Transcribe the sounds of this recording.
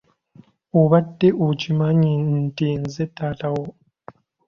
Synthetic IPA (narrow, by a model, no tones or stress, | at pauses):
uβadːeʔut͡ʃimaɲintiːnzetaːtawo